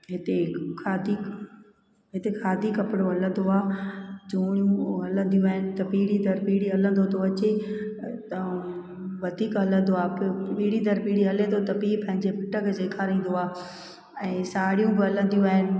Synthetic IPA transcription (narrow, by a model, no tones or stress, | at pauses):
ɦɪt̪ekʰaːd̪iːk | ɦɪt̪ekʰaːd̪ʱikɐpɪɽoɦɐlə̃nd̪oaːd͡ʑuːɽ̃ijũɦɐlə̃nd̪ijũaːɦɪnɪ̆t̪ɐpiːɽid̪ɐɾpiːɽiɦɐlə̃n̆d̪ot̪ʰoɐt͡ɕe | t̪ɐ | ʋɐd̪ʱiːkɦɐlə̃nd̪oaːppiːɽid̪ɐɾpiːɽiɦɐlẽd̪ot̪ɐpiːpɐ̃ɦɪ̃ɲd͡ʑepɪʈəkseːkʰaːɾĩːnd̪oaː | ɛ̃ːsaːɽijũbɪɦɐlə̃nd̪ijũaːɦɪnɪ̆